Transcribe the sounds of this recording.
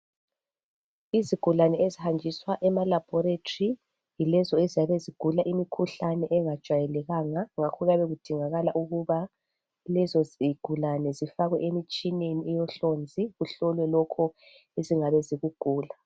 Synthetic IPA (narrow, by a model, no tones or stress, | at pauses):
iziɡ̥ʱulanɛezihand͡ʒʱiswaʔɛmalab̥ʱɔɾetʰʼi | jilɛzɔeziaβeziɡ̥ʱulaʔimikʰuɬanɛʔɛŋad̥ʒ̥ʱwajɛlɛɣaŋaŋakʰɔɣaβɛɣud̥ʱiŋaɣalaʔuɣuβa | lɛzɔziɡ̥ʱulanɛzifaɣwɛ̰ʔemit͡ʃʼineniɛjɔɬond͡zʱiɣuɬɔlwɛlɔkʰɔ | eziŋaβɛziɣuɡ̥ʱuːla